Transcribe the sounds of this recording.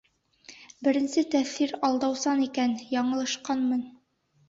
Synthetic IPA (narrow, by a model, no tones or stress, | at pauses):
bɘ̆ɾɘ̆nsɘt̪æθθiɾɒlˠd̪ɑwsɑnikænjɒɴɤ̆lˠɤ̆ʃqɑnmɤn